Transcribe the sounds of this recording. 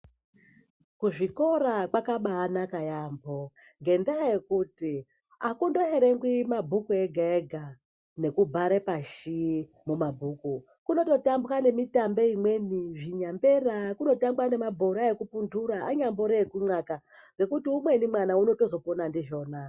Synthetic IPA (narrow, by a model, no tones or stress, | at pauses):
kuʐiko̞ɾakwakaɓaːnakajambo | ŋɡe̞ndaje̞kuti | akundo̞ɦeɾeŋɡwimabʱukueɡʱaeɡʱa | ne̞kubʱaɾepaʃi | mumabʱuku | kuno̞to̞tambukane̞mitambeimwe̞niʐiɲambe̞rakuno̞tambwane̞mabʱoɾaekupunduɾaaɲamboɾekuŋ͡ǀaka | ŋɡe̞kutiumwe̞nimwanauno̞to̞zo̞ponandiʐo̞ːna